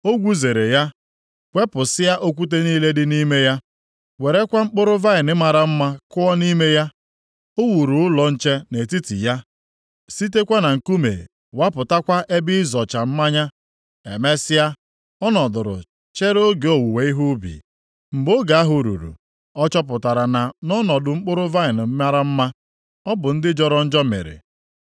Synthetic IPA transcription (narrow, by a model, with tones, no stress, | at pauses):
o˦ɡʷu˦ze˨ɾe˨ja˦ | kʷe˦pʊ˨sɪ˦ja˦ʔo˦kʷu˦t̬e˦niː˦le˦dɪ˦ni˦me˦ja˦ | we˨ɾe˦kʷa˦ŋ͡m̩˦k͡pʊ˦ɾʊ˦va˦ɪ˨nɪ˦ma˨ɾa˨m̩˦ma˦kʊ˦ɔ˦ni˦me˦ja˦ | o˦wu˨ɾu˨ʊ˦lɔ˨n̩˦t͡ʃe˦ne˨ti˦tḭ˨ja˦ | si˦t̬e˦kʷa˦na˨ŋ̩˨ku˦mḛ˨ | wa˦pʊ˨ta˦kʷa˦ʔe˦bi˦zɔ˨t͡ʃa˨m̩˦ma˦ɲa˦ | e˨me˦sɪ˦ja˦ | ɔ˦nɔ˨dʊ˨ɾʊ̰˨ | t͡ʃe˦ɾo˦ɡe˨o˨wu˨we˨˦i˦ɦu˦bḭ˨ | m̩˨bo˦ɡa˨a˦ɦʊ˨ɾṵ˨ɾṵ˨ | ɔ˦t͡ʃɔ˦p̬ʊ˨ta˨ɾa˨na˨nɔ˦nɔ˨dʊ˨ŋ͡m̩˦k͡pʊ˦ɾʊ˦va˦ɪ˨n̩˨˦ma˦ɾa˦m̩˦ma˦ | ɔ˦bʊ˨n̩˦dɪ˦d͡ʒɔ˦ɾɔ˦n̩˦d͡ʒɔ˦mḛ˨ɾɪ̰˨